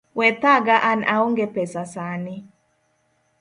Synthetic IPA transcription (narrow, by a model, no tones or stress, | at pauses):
wɛt̪aɡaʔanaoŋɡepɛsasanɪ